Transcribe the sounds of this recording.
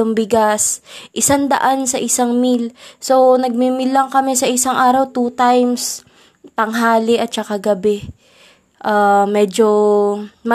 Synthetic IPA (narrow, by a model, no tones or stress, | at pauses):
ʊŋbɪɡasʔɪsand̪ɐ̰ʔansɐʔɪsaŋmilso̞nɐɡ̚mimɪlːɐŋkɐmɛsɐʔɪsaŋʔaːɾɐwt̪uːt̪ajms | t̪ɐŋɦaːlɪʔɐt̪̚t͡ʃɐkaɡɐbɛ | ʔaːmɛːd͡ʒo | mɐ